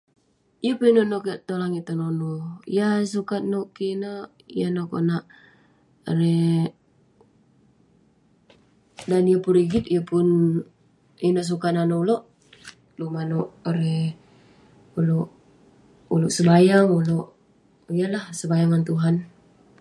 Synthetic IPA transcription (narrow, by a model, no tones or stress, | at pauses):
ijəpnonokəʔt̪olaŋit̪ːononojasukat̪̚noʔkinəʔ | janoko̰naʔ | ɾe | danijəpunɾiɡit̪ijəpun | jənoʔs̬ukat̪nanouloʔ | lumanoʔɾe | uloʔ | uloʔsəbajaŋuloʔ | ijalahsəbajaŋant̪uɦan